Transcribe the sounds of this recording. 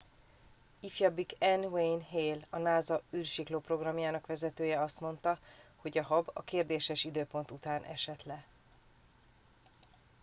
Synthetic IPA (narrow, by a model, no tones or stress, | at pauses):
ifjɒbikɛnwejnɦeːlɒnaːzɒyːrʃikloːpro̞ɡrɒmjaːnɒkʋɛzɛt̪øːjɛɒst̪mo̞n̪t̪ɒ | ho̞ɟɒɦɒbɒ̰keːrd̪eːʃɛʃid̪øːpo̞nt̪ut̪aːnʔɛ̰ʃɛt̪lɛ